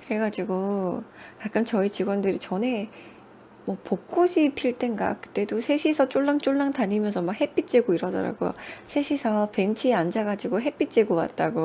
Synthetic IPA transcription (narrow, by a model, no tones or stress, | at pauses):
kɯɾe̞ɡad͡ʑiɡo | kak̚k͈ɯmt͡ɕʌit͡ɕiɡwʌndɯɾit͡ɕʌne̞ | mwʌpok̚k͈oɕʰipʰiɭt͈enɡa̰kɯ̥t͈e̞dosʰe̞ɕʰisʰʌt͡ɕ͈oɭːaŋt͡ɕ͈oɭːaŋtaɲimjʌnsʰʌmakhe̞p͈it͡ɕ͈eɡoiɾʌdʌ̰ɾa̰ɡojo̰sʰe̞ɕʰisʰʌpe̞nt͡ɕʰiand͡ʑaɡad͡ʑiɡoɦe̞p͈it͡ɕ͈eɡowa̰t̚t͈aɡo